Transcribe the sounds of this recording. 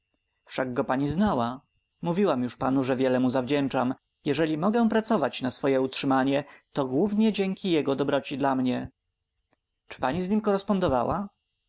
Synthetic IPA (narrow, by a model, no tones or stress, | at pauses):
fʂaɡɡɔpaɲiznawa | muvʲiwamjuʂpanuʐɛvʲjɛlɛmuzavd͡ʑɛnt͡ʂam | jɛʐɛlʲimɔɡɛ̃pɾat̪sɔvat͡ɕnasfɔjɛutʂɘmaɲɛt̪ɔɡwuvɲɛd͡ʑɛŋkʲijɛɡɔd̪ɔbɾɔt͡ɕid̪lamɲɛ | t͡ʂɘ̥paɲizɲimkɔɾɛspɔnd̪ɔvawa